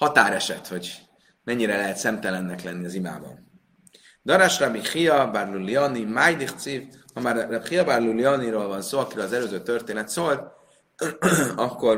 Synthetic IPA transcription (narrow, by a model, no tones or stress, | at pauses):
hɒt̪aːɾɛʃɛt̪ho̞ɟ | mɛɲːiɾɛlɛɦɛt̪sɛmt̪ɛlɛnːɛklɛnːiɒzima̰ːbɒ̰n | d̪ɒɾaʃrɒbiχijɒbarluliɒnimaːjd̪iχt̪sivhɒmaːrχijɒbarluliɒniɾoːlvɒnsoːɒkiɾøːlɒzɛløːzøːt̪ørt̪eːnɛt̪soːlt̪ | ɒkːo̞r